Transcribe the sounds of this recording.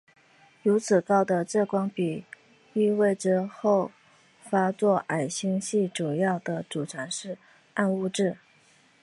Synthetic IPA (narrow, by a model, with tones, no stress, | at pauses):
ɻu˧˥t͡sʰɹ̩˨˩kɑ˥˩ʊd̪ə˩ʈ͡ʂɤ˥˧kwɑ˥ŋpi˨˩ | y˥˧we˥˩ɪʈ͡ʂɻə˧˥xo˥˩ʊ | fa˥t͡swɔ˥˩ʔa˨˩ɪɕi˥ŋɕi˥˩ʈ͡ʂu˨˩jɑ˥˩ʊd̪ə˩t͡su˨˩ʈ͡ʂʰa˧˥nʂɻ̩˥˧ | a˥˧nu˥˧ʈ͡ʂɻ̩˥˩